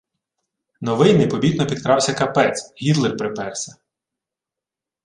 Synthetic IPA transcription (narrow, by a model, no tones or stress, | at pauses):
nɔʋɪjmɪpɔbʲit̪nɔpʲid̪̚kɾɑwsʲɐkɐpɛt͡s̪ɦʲid̪lˠɪwpɾɪpɛrsɐ